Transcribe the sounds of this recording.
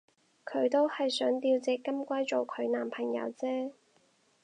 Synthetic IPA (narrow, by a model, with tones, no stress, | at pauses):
kʰɵ˨˧ɥt̪o˥whɐ˨jsœː˨˥ŋt̪iː˧wt͡sɛː˨˥kɐ˥mkʷaː˥jt͡so˨wkʰɵ˨˧ɥnaː˨˩mpʰɐ˨˩ŋjɐ̰˨˧˥wt͡sɛː˥